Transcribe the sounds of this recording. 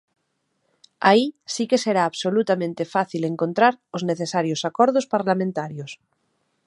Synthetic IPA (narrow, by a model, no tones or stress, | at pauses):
a̰isikeseɾaːβsolut̪amẽnt̪efaθileŋkont̪ɾaɾozneθesaɾjosakoɾðospaɾlamẽnt̪aɾjos